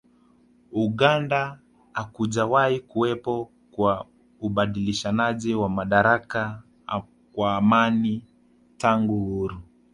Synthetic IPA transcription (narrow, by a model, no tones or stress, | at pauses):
uɠandaː | kuʄawaikuwɛpɔ | kwa | uɓaɗiliʃanaʄiwamaɗaɾaka | kwaːmani | taŋɡuhuɾu